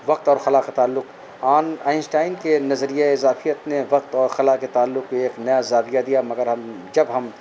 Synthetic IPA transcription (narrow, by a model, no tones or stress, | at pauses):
ʋɐq̚t̪ɔːɾxɐlakat̪aːlːʊq | aːnaːɪnsʈaːɪnkenɐzɾijeɪzaːfijət̪neʋɐqt̪ɔːɾxɐlaket̪aːlːʊqeːknɐjazaːbijad̪ijamɐɡəɾɦɐm | d͡ʒɐbɦɐm